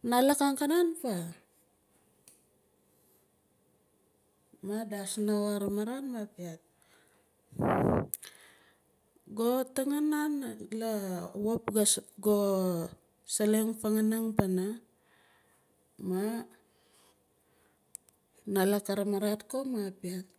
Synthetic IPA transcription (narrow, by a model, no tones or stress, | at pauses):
nalakaŋkananpa | madasnawaɾamaɾanmapiat̚ | ɡotaŋananlawopɡaɡo | saleŋpaŋanaŋpana | ma | nalakaɾamaɾatkomapiat̚